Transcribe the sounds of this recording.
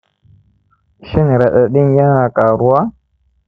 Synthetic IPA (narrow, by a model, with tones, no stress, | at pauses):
ʃi˦n˨ɾa˨ɗa˨ɗi˦nja˦ŋa˨ka˨ɾu˦wa˦